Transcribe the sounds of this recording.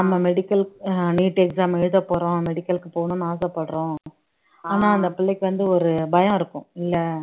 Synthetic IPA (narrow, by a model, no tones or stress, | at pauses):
nɐmːɐmɛɽɪkːɐlniːʈɛksaːmɛɻɯðɐpːoːɾõmɛɽɪkːɐlkːɯpoːnʊ̃naːsɐpːɐɽɾõː | aːnaːɐnd̪ɐpɪlːɛkːɯʋɐnd̪ɯɔɾɯbɐjɐ̃ɪɾɯkːʊ̃ɪlːɐ